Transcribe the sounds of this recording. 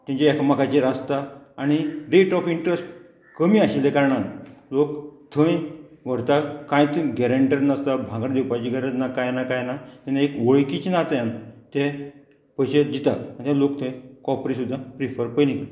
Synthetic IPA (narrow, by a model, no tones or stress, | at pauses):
t̪ĩɲt͡ɕaɛkamakat͡ɕeɾast̪aaɽ̃iɾeʈɔfiɳʈɾesʈ | kəmiːaɕilekaɾəɳanlokt̪ʰə̃jʋəɾt̪akãjt̪ɡɛɾəɳʈəɾnast̪abʱãŋɡəɽd̪ewpajt͡ɕiɡəɾət̪nakajnakajnat̪ɛnaekʋəɭkit͡ɕinat̪jãnt̪ɛ | pəɕed͡ʑit̪aanit̪ʰãlokt̪ʰə̃jkɔpɾisud̪ʱːãpɾifəɾpəjnikə